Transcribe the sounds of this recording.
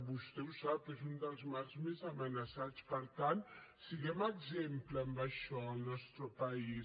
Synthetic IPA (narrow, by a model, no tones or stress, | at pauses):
bust̪ewsabpezund̪əlzmaɾzmezamanasadt͡spaɾt̪ansiɡemaɡzemplambaʃɔalnɔst̪ɾəpai